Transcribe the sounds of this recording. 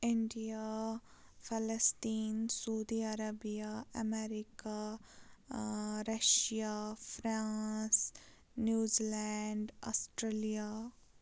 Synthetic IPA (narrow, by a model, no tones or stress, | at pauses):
ɪɳɖija | fɐlɐsʈiːnsoːd̪iɐɾɐbijaɐmeɾika | ɾɐʃijafɾaːs | njuːzilɛɳɖasʈɾelija